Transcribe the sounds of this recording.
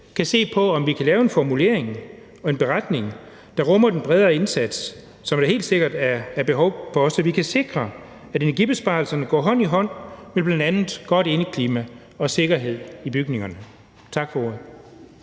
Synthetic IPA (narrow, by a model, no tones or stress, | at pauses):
kʰæse̝̰ːpʰɒ̽ɒ̽mʋikʰælɛːʊe̝nfɒmule̝̰ɐ̰eŋ | ɒ̽e̝nb̥e̝ʁad̥ne̝ŋ | d̥ɑ̈ʁɔmɐd̥enb̥ʁɛðˠɐːe̝nsæd̥sː | ɒ̽md̥ɑe̝̰ːld̥se̝ɡ̥ɐd̥æɐb̥e̝ɦɒʊfɒ̽sɒ̽ʋikʰæse̝ɡ̥ʁɐ | æɾe̝næɐɡ̥ib̥e̝sb̥ɑ̈ːlsɐnəɡ̥ɒ̰ːɦɒ̽n̰iɦɒ̽n̰meb̥lænd̥ænð̩ˠɡ̥ɒ̽ɾ̥e̝nəkʰliːmæ | ɒ̽se̝ɡ̥ɐɦe̝ð̞̰ˠib̥yɡ̥ne̝ŋɐnə | t͡sʰɑ̈ɡ̥fɒ̽oðˠ